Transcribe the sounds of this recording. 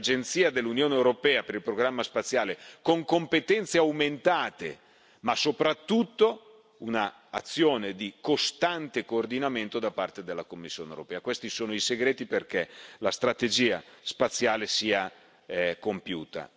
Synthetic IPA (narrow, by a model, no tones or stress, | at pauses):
d͡ʒent̪siːad̪elːunjoːnewɾopɛːapeɾilpɾoɡɾamːaspat̪sːjaːlekoŋkompet̪ɛnt̪seawment̪aːt̪ḛ | masopɾat̪ːut̪ːo | unaː | t̪sːjoːned̪ikost̪ant̪ekoːrd̪inament̪od̪apart̪ed̪elːakomːisːjo̰ːnḛwɾopɛːakwest̪isoːnoiseɡɾeːt̪iperk̟elast̪ɾat̪ed͡ʒiːa̰spat̪sːjaːlesiːa | kompjṵːt̪a̰